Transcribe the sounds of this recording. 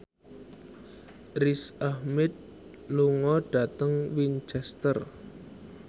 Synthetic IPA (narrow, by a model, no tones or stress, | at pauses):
risahmɛd̪̚ | luŋɔɖ̥a̤t̪əŋwint͡ʃɛst̪ər